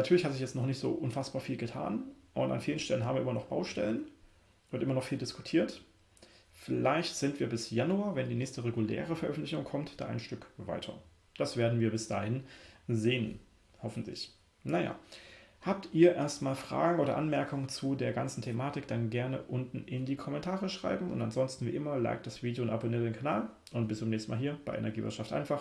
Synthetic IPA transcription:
natʰyːɐlɪçhatz̥ɪçjɛt͡stnɔχnɪçtz̥o̰ːʔʊnfasb̥aːɐfiːlɡətʰa̰ːnʔʊ̰nta̰nfiːlən̩ʃtʰɛlənɦaːbm̩iːʔɪmɐnɔχb̥a̰ʊʃtɛ̰lən | vʊntʔɪmɐnɔχfiːldɪsku̥tʰiːɐt | fɪlaɪçtz̥ɪntv̥iːɐbɪsjanuaːvɛndiːnɛːçstəʁeɡulɛ̰ːʁ̞əfɛɐʔœfn̩tlɪçʊŋkʰɔmtd̥a̰ːʔaɪnʃtʏkva̰ɪtʰɐ̰ | d̥asv̥eːɐdn̩viːɐbɪsd̥a̰ːhɪnzeːən | hɔfn̩tlɪ̰ç | naja̰ːhaːp̚tiːɐʔeːɐstmaːlfʁ̥a̰ːɡŋ̩ʔoːɾɐ̰ʔanmɛɐkʊŋənt͡sudeːɐɡant͡sn̩tʰemaːtɪkd̥anɡɛɐnə̰ʔʊntn̩ʔɪndiːkʰɔmɛntʰaːʁəʃʁ̥a̰ɪbm̩ʊ̰ntanzɔnstn̩vḭːʔɪmɐla̰ɪk̚t̚d̥asv̥iːdjoʊntaboniɐtd̥eːnkʰanaːl | ʔʊntb̥ɪst͡sʊmnɛːçsn̩maːlɦiːɐb̥aɪʔɛ̰nɛɐɡiːvɪ̰ɐʃaftʔa̰ɪnfaχ

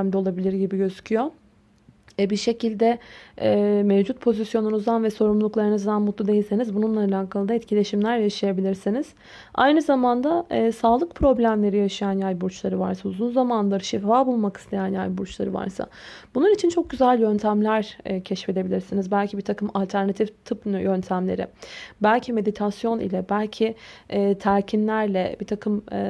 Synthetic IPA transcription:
md̪ɛo̞lˠabilʲiɾɟibiɟø̞zycʰyjo̞ | ɛbiʃe̞cʰilʲd̪ɛɛmevd͡ʒut̪̚pʰo̞zisjo̞nunuzd̪anvɛso̞ɾumlˠuklˠaɾɯnɯzd̪anmut̪lˠud̪e̞jilʲsenizbununlˠaːlʲaːkʰalˠɯd̪aɛt̪cʰilʲe̞ʃimlʲæɾjaʃɯjabilʲiɾsiniz̥ | a̰jnɯzamand̪asaːlˠɯk̚pʰɾo̞blʲæmlʲe̞ɾijaʃɯjanjajʲbuɾt͡ʃlˠaɾɯva̰ɾsauzunzamanlˠaɾɯʃifaːbulˠmaki̥st̪ʰe̞jænjajbuɾt͡ʃlˠaɾɯva̰ɾsa̰bunˠuɾit͡ʃʰint͡ʃʰo̞k̚ɟyzælʲjø̞nt̪ʰæmlʲæɾcʰɛʃfe̞d̪e̞bilʲiɾsinizbælʲcʰibiɾt̪ʰakʰɯmalʲt̪ʰæɾnat̪ʰift̪ʰɯpnjønt̪ʰæmlʲe̞ɾɪ̰bælʲcʰime̞d̪it̪ʰasjo̞nḭlʲɛbælʲcʰiɪɛːt̪ʰæɾcʰinlʲæɾlʲɛbiɾt̪ʰakʰɯm

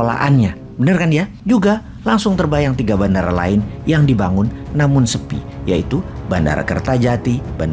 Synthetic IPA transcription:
la̰ʔanɲa | bənərkanija | d͡ʒuɡa | laŋsʊŋt̪ərbajaŋt̪iɡabandaɾa̰la̰ɪnjaŋdibaŋʊnːamʊnsəpḭjait̪ubanda̰ɾa̰kə̰rt̪ad͡ʒat̪iban

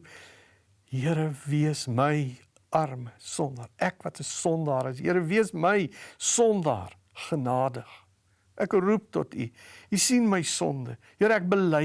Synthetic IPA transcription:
ɦiəɾəviəsməj | ɐrməsɔndɑːɾɛkvɐtəsɔndɑːɾəs̬ɦḭəɾəviəsməjsɔndɑ̰ːr | χənɑːdəχ | ʔɛkrup̚tɔtʰyisinməjsɔ̰ndəjiəɾəɛk̚bəlɛ

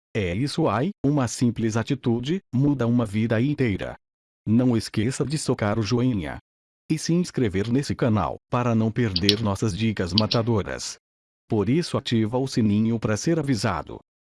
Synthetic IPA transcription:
ɛisʊajũmɐsĩplɪzat͡ʃit̪ud͡ʒɪmud̪ɐũmɐvid̪ɐĩnt̪ejɾɐ̰ | nɐ̃w̃eskesɐd͡ʒɪsokaɾʊʒoĩɲɐ̰ | ɪsɪĩskɾeveɾnesɪkɐna̰wpaɾɐnɐ̃w̃peɾd̪eɾnɔsɐzd͡ʒikɐzmat̪ad̪oɾɐ̰s | poɾisʊat͡ʃivɐʊsinĩɲʊpɾɐseɾaviza̰d̪ʊ̰

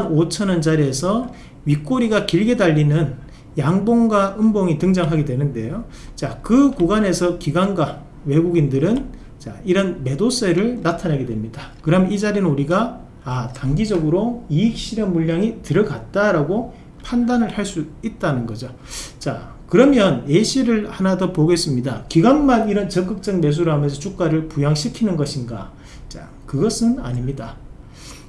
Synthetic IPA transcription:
not͡ɕʰʌnʌnd͡ʑaɾie̞sʰʌ | ɥik͈oɾiɡakiɭɡe̞daʎːinɯn | jaŋboŋɡwaɯmboŋitɯŋd͡ʑaŋɦaɡe̞dwe̞nɯnde̞jo | t͡ɕakɯkuɡane̞sʰʌkiɡanɡwa | we̞ɡuɡindɯɾɯn | t͡ɕaiɾʌnme̞dos͈e̞ɾɯɭnatʰanaɡe̞dwe̞mɲidakɯɾʌmnid͡ʑaɾinɯnuɾiɡa | ataŋɡid͡ʑʌɡɯɾoiik̚ɕ͈ʰiɾjʌmmuʎːaŋitɯɾʌɡat̚t͈aɾaɡo | pʰandanɯɭhaɭs͈uit̚t͈anɯnɡʌd͡ʑo | t͡ɕa̰ | kɯɾʌmjʌneɕʰiɾɯɭhanadopoɡe̞s͈ɯmɲidakiɡanmaniɾʌnt͡ɕʌk͈ɯk̚t͡ɕ͈ʌŋ̚me̞s̬ʰuɾamens̬ʰʌt͡ɕʰuk̚k͈aɾɯɭpujaŋɕʰikʰinɯnɡʌɕʰinɡa̰ | t͡ɕa̰ | kɯɡʌsʰɯna̰ɲimɲida

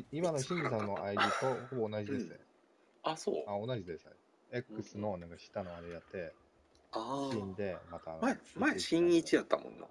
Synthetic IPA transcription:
imano̞ɕĩɲ̟d͡ʑis̬ãnːo̞ʔaiɾit̪o̞hobo̞ːnaʑid̪e̞sɨnḛ | aso̰ːao̞naʑid̪e̞sɨ̥a̰i | ekːɯsɨno̞nãŋkaɕi̥t̪ːano̞aɾe̞jat̪ːe̞ | aɕĩnd̪e̞mat̪aːnomaeɕĩɲɲit͡ɕijat̪ːamõ̰nːo̰

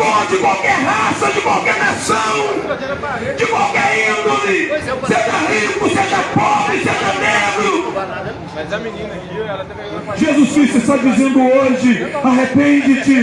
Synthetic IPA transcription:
kod͡ʒɪkwawkɛɾɦasɐd͡ʒɪkwawkɛɾnasɐ̃w̃ | d͡ʒɪkwawkɛɾĩnd̪olɪseʒɐɦikʊseʒɐpɔbɾɪseʒɐnebɾʊ | ʒezuskɾist̪ɪst̪ad͡ʒizẽnd̪ʊoʒɪaɦepẽd͡ʒɪt͡ʃɪ

